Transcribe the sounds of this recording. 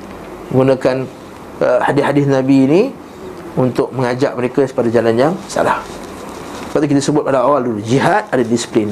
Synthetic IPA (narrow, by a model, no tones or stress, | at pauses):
əŋɡunakan | əhadɪhadɪθnãbiːni | unt̪ʊk̚mə̃ŋad͡ʒa̰ʔ̚məɾekasə̥padad͡ʒalanjaŋsa̰la̰h | t̪əpaʔt̪ik̬it̪asəbʊt̪̚padaawaldulud͡ʒiɦat̪̚adadisi̥plɪn